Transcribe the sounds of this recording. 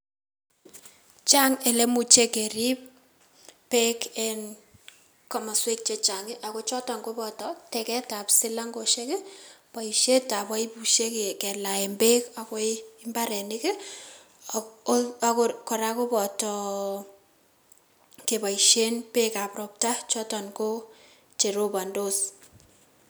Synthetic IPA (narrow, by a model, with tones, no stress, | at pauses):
t͡ʃa˦ŋe˨le˦mu˨t͡ʃe˦ke˨ɾi˦p̚ | pːekɛn | kɔ˨ma˨swe˦k̚t͡ʃe˦t͡ʃaŋɪ˦ʔa˨ko˦t͡ʃɔ˦tɔ˨ŋɡo˦bɔ˨tɔtɛkɛ˦ta˨psɪ˦la˦ŋɡo˨ʃekɪ˦pa˨iʃe˦ta˨ba˦i˦buʃe˦kekɛ˨la˨e˨mbe˦ka˨ko˦ɪɪmba˦ɾɛ˨nɪ˦kɪ˦ | akokɔ˨ɾa˦ko˦bɔ˨tɔ | ke˨ba˨iʃe˦npe˦ka˨prɔ˨p̚ta˦t͡ʃɔ˦tɔ˨nko˦ | t͡ʃe˨ɾo˦ba˨ndo˦s